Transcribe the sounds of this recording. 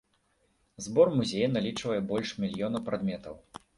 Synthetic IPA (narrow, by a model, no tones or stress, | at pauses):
zbɔrmuzʲejɐnalʲit͡ʂvɐjɛbɔlʲʂmʲilʲjɔnɐpɾad̪mʲɛt̪ɐw